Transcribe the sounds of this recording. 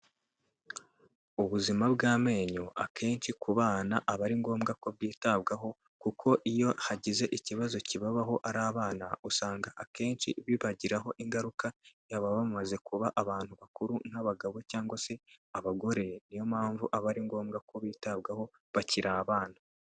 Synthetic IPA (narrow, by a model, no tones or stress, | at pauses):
uβuzimabɡaːme̞ːɲoʔakʰe̞ːnt͡ʃikuβaːnaʔaβaɾiŋɡo̞ːmɡako̞βɡiːtabɡaɦo̞ | kukʰo̞ʔijo̞haɟize̞ʔiciβazo̞ciβaβaɦo̞ʔaɾaːβaːnausaːŋɡaʔake̞ːnt͡ʃḭβiβaɟiɾaɦo̞ʔiŋɡaɾukajaβaβamaze̞kuβaʔaβaːn̥huβakuɾun̥haβaɡaβo̞caːŋɡwase̞aβaɡo̞ɾe̞nijomaːɱvuʔaβaɾiŋɡo̞ːmɡako̞βiːtab̚ɡaho̞ | βaciɾʔaβaːna